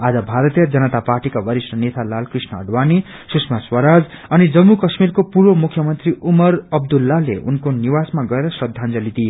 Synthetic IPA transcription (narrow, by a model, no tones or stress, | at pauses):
ad͡zʌbʱaɾʌt̪ijʌd͡zʌnʌt̪aparʈikabʌɾisʈʌnet̪ʰalalkrisnʌʌɖwani | suksmaswʌɾad͡zʌnid͡zʌmːukʌsmirkopuɾomukʰjʌmʌnt̪riʔumʌrʌb̚d̪ulːaleṵnkoniwasmaɡʌeɾʌsrʌd̪ʱand͡zʌlit̪i